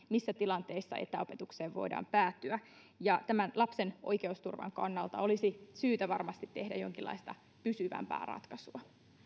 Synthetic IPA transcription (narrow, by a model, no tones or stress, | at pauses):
misːæt̪ilɑnt̪e̞isːɑ̰ʔe̞̰t̪æo̞pe̞t̪ukseːʋʋo̞̰idɑ̰ːmpæːt̪ːyæ | jɑt̪æmænlɑpsenʔojkeust̪urʋɑ̰ŋkɑnːɑlt̪ɑo̞lisisyːt̪æʋɑrmɑst̪it̪ːe̞hdæjo̞ŋkilːɑ̰ist̪ɑ | pysyʋæ̰mpæ̰ːrɑ̰t̪kɑsuɑ